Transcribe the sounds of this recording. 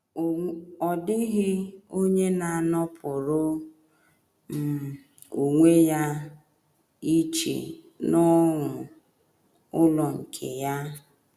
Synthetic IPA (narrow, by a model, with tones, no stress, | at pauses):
ɔ˨dɪ˦ɣɪ˦o˦ɲe˦na˨a˨nɔ˦pʰʊ˨ɾʊ˦ | m̩˨ | u˨ŋʷe˦ja˦ | i˦t͡ʃḛ˨ | nɔ˦ŋʷʊ˨ | ʊ˦lɔ˨ŋ̩˨kʰḛ˨ja˦